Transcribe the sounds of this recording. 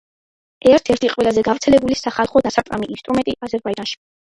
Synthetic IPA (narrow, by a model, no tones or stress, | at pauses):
ɛɾt̪ʰɛɾt̪ʰiqʼwɛlazɛɡavɾt̪sʰɛlɛbulisaχalˠχɔd̪asap̪ʼqʼamiʔːnst̪ʼɾumɛnt̪ʼiʔazɛɾbaid͡ʒanʃi̥